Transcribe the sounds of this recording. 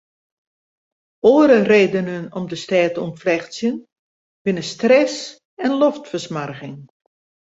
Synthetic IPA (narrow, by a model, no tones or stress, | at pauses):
oːəɾəreːdənənɔmdəstɛːtəɔntflɛxsjən | b̥ɪnəstrɛs | ɛnloftfəsmarɣɪŋ